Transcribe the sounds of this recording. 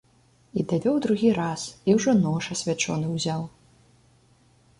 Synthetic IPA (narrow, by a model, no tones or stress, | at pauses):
id̪avʲɔwd̪ɾuɣʲiɾasiwʐɔnɔʂɐsʲvʲat͡ʂɔ̰nɨwzʲaw